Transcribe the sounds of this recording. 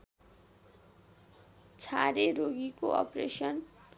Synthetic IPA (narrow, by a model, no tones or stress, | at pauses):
t͡sʰaɾeɾoɡikoʌ̰prḛsʌn